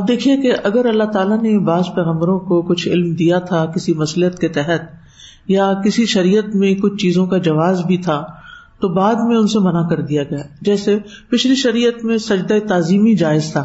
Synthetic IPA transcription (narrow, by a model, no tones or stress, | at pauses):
ɐb̚d̪eːkʰiekeʔɐɡəɾɐlːat̪aːlanebaːzpɛːɣə̃mbəɾõkokʊt͡ʃʰɪ̰lmd̪ijat̪ʰakɪsimɐslət̪ket̪ɛɦət̪̚ | jakɪsiʃɐɾiːjət̪mẽkʊt͡ʃʰt͡ʃiːzõkad͡ʒɐʋaːzbʱit̪ʰaː | t̪obaːd̪mẽʊnsemɐnakɐɾd̪ijaɡɐjaːd͡ʒɛːsepɪʃliʃɐɾiːjət̪mẽsɐd͡ʒd̪aet̪aːziːmid͡ʒaːɪzt̪ʰaː